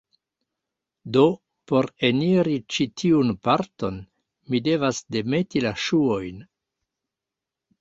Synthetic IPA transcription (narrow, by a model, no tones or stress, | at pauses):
do̞ | po̞ɾe̞niɾit͡ʃitʰiunpaɾto̞n | mide̞vasde̞me̞tilaʃuo̞jn